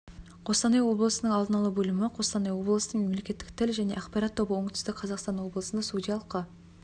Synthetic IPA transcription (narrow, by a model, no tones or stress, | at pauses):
qʰo̞st̪ɑnɑjwo̞blˠəsənəɴɑlˠd̪ənɑlˠəbɵlɪmɪqʰo̞st̪ɑnejwo̞blˠəsənəɴme̞mle̞kʲe̞t̪ːɪ̥k̚t̪ʰɪlʒæne̞ʔɑqpɑɾɑt̪ʰːo̞bəwoɴt̪ʰʏ̥st̪ɪkʲqʰɑzɑqst̪ɑnwo̞blˠəsənəsud̪ʲijɑlˠəqːə